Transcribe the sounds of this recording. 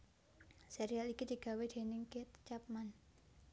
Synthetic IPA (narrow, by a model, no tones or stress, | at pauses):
seɾialikid̪̥i̤ɡ̥ä̤wed̪̥e̤nɪŋket̪t͡ʃap̚man